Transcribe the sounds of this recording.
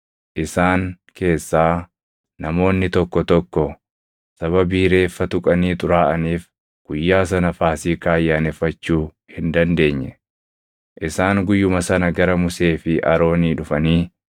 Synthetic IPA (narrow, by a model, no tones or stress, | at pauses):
ʔɪsaːŋ | kʰe̞ːsːaː | nɐmo̞ːnːɪt̪ɔkːɔt̪ɔkːɔ | sɐβɐbiːɾe̞ːfːɐt̪ʊkʼɐniːt̪ʼʊɾaːʔɐniːf | ɡ̥ʊjːaːs̬ɐnɐfaːsiːkaːjːaːnɛfːɐt͡ʃːuː | hɪnd̪ɐnd̪e̞ːɲːɛ | ʔɪsaːŋɡʊjːʊmɐsɐnɐɡɐɾɐmʊse̞ːfɪʔɐɾo̞ːniːᶑʊfɐniː